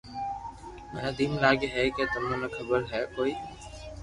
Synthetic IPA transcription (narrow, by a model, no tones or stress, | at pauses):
mɛnad̪imlaːɡeɦɛket̪ʊmanɔkʰəbəɾɦɛkoi